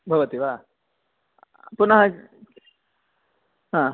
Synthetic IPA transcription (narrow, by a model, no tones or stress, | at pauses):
bʱɐʋət̪iʋa | punɐɦã | ɦã